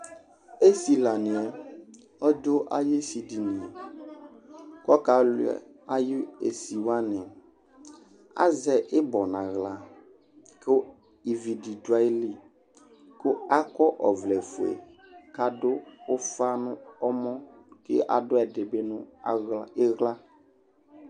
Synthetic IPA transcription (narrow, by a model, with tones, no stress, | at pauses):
e˦si˨la˨nɪ̃˨ɛ˨ | ɔ˦do˦ʔa̰˦je˦si˨di˨nĩ˨ɛ˨ | kɔ˦ka˨lʊ˦ɛ̰˨ | a˦jɪ˦e˨si˨wa˦nɛ̃˨ | a̰˦zɛ˨ʔɪ˦bɔ˨nã˨ɣla˨ | kʊ˦ | i˨vi˨di˨dwa˨ɪ˦li˦ | kʊ˦a˦kɔ˦ʔɔ˨vlɛ˨fʊ˨ḛ˨ka˦dʊ˦ʊ˦fa˦nʊ̃˦ɔ˦mɔ̃˦kɪ̰˦ʔa̰˨dʊ˦ɛ˨dɪ˨bɪ˦nʊ̃˦ɣɪ˦ɣla˦